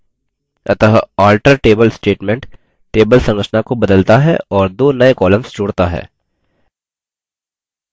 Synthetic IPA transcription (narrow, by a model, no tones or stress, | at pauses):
ɐt̪əɦaːlʈəɾʈeːbəlsʈeːʈmẽɳʈ | ʈeːbəlsɐ̃ŋɡɾət͡ʃʰənakobɐd̪əlt̪aɦɛ̰ɔːɾd̪oːnɐekɔːləmsd͡ʒoːɽt̪aɦɛ̰ː